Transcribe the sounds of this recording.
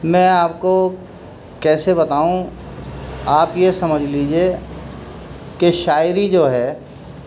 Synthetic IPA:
mɛ̃ːaːpko | kɛːsebɐt̪aːũ | aːpjesɐməd͡ʒʱliːd͡ʒie | keʃaːɪɾid͡ʒoːɦɛː

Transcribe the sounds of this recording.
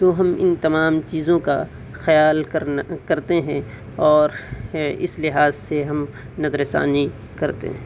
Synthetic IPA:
t̪oɦɐmɪ̰nt̪ɐmaːmt͡ʃiːzõka̰ | xɐjaːlkɐɾkɐɾt̪eɦɛ̃ | ɔːɾɪ̰slɪɦaːzseɦɐm | nɐzɾɪsa̰ːni | kɐɾt̪ḛɦɛ̃

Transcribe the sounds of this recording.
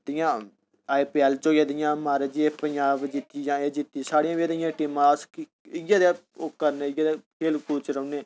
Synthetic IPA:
d̪ɪjãː | aːipiːɛːlt͡ʃoːɡeːd̪ɪjãːmaːɾd͡ʒieːpəɲd͡ʒaːbd͡ʒɪt̪iːd͡ʒãːeːd͡ʒɪʈ̪ːiːsaːɽijãːʋid̪ɪjãːʈiːmãːsk | ɪɡjãːd̪e | oːkəɾneːɪɡaːd̪eːkʰeːlkuːt͡ʃɾəːneː

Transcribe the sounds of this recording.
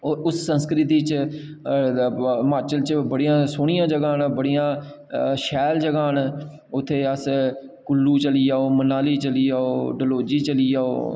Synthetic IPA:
oʊsːə̃nskɾɪt̪iːt͡ʃ | maːt͡ʃəlt͡ʃbəɽijãːsʊːɽɪjãːd͡ʒəɡaːnbəɽijãː | ʃɛːld͡ʒəɡaːn | ʊt̪ʰːeːəs | kʊlːuːt͡ʃəliːaːoːmənaːliːt͡ʃəliːaːoːɖəloːd͡ʒiːt͡ʃəliːaːo̰ː

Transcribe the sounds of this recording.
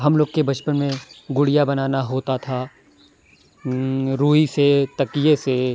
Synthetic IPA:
ɦɐmloːɡkebɐt͡ʃpənmẽɡʊɽijabɐnaːnaɦoːt̪at̪ʰa | ɾuːɦiset̪ɐkijese

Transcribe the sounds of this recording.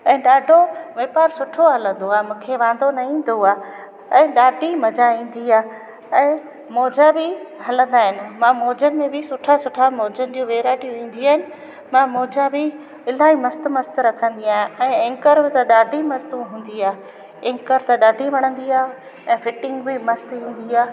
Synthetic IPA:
ɛ̃ːɗaːɖʱoʋeːpaːɾsʊʈʰoɦɐlə̃nd̪oaːemũːkʰeʋãːn̆d̪onɐĩːn̆d̪oaː | ɛ̃ːɗaːɖʱimɐd͡ʑaĩːn̆d̪iaː | ɛ̃ː | moːd͡ʑabɪɦɐlə̃nd̪aːɦɪnɪ̆mãːmoːd͡ʑənɪ̆mẽbɪsʊʈʰasʊʈʰamoːd͡ʑənɪ̆d͡ʑũʋeːɾaːʈijũĩːn̆d̪iaːɦɪnɪ̆ | mãmoːd͡ʑabɪ | ɪl̤aːimɐst̪mɐst̪ɾɐkʰə̃nd̪iaːɦɪ̃ɛ̃ːɪ̃ŋkəɾbɪ̃t̪ɐɗaːɖʱimɐst̪ũɦũːn̆d̪iaːɦe | ɪ̃ŋkəɾt̪ɐɗaːɖʱiʋɐɽ̃ə̃nd̪iaː | ɛ̃ːfɪʈɪ̃ŋɡbɪmɐst̪ĩːn̆d̪iaː

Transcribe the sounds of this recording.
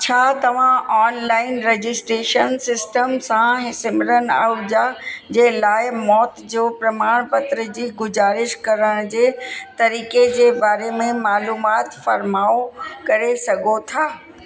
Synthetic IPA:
t͡ɕʰaːt̪ɐʋ̤ãʔɔːnlaːɪnɾed͡ʑɪsʈɾeːʃənsɪsʈəmsãɦɪsɪmɪɾəna̰d͡ʑad͡ʑeːlaːɪmɔːt̪d͡ʑoːpɾɐmaːɽ̃pɐt̪ɾəd͡ʑiːɡʊzaːɾɪʃkɐɾəɽ̃d͡ʑeːt̪ɐɾiːked͡ʑeːbaːɾemẽmaːluːmaːt̪fɐɾmaːokɐɾesɐɡʱot̪ʰaː

